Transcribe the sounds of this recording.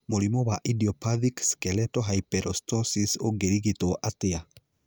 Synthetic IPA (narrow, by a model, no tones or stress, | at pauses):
molimɔwaʔidiɔpaðikskɛlɛtɔɦajpɛɾʔɔstɔsisoɡeɾiɣitoʔatea